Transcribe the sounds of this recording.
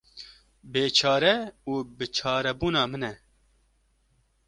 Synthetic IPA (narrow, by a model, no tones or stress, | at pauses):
beːt͡ʃʰɑːɾɛuːbɨt͡ʃʰɑːɾɛbuːnɑːmɨnɛ